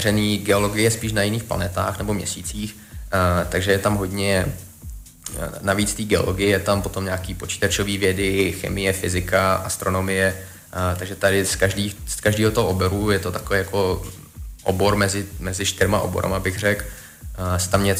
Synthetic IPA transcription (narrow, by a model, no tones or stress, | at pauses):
rɛniːɡɛo̞lo̞ɡɪjɛspiːʃnajɪniːxpla̰nɛt̪a̰ːxnɛbo̞mɲɛ̰siːt͡siːx | t̪aɡʒɛjɛt̪amɦodɲɛ | naviːt͡st̪iːɡɛo̰loɡɪjɛjɛt̪ampo̞t̪o̞mɲaːkiːpo̞t͡ʃi̥ːt̪at͡ʃo̞viːvjɛdɪxɛ̰mɪjɛfɪzɪkaʔast̪ɾono̞mɪjɛ | t̪aɡʒɛt̪adɪskaʒdiːskaʒdiːɦot̪oɦoʔoboɾujɛt̪o̞t̪akovijako̞ | ʔo̰bo̞ɾmɛzɪmɛzɪʃt̪ɪɾmaʔo̰boɾa̰mabɪɣr̝ɛk | sɛ̥t̪amɲɛt͡s